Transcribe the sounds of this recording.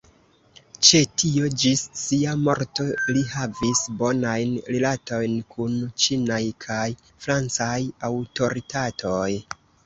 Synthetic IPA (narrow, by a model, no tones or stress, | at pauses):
t͡ʃe̞tio̞d͡ʒisːiamo̞̰ɾto̞lihavisbo̞najnɾelato̞jnkʰunt͡ʃinajkʰaj | fɾant͡sajawto̞ɾitatʰo̞j